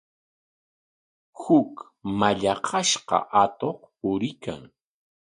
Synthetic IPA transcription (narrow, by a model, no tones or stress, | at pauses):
hʊk | maʎɑqʰɑʃqɑ̰ʔat̪oχpʊɾɪka̰ŋ